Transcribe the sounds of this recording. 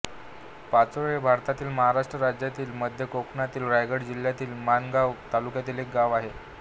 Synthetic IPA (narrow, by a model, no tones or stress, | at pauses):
pat͡sʋeɭebʱaɾt̪at̪iːlməɦaɾaʂʈɾəɾad͡ʑjat̪iːlməd̪ʱjəkoknat̪iːlɾajɡəɽd͡ʑil̤jat̪iːlmanɡaʋt̪alukjat̪iːlek̚ɡaʋaɦe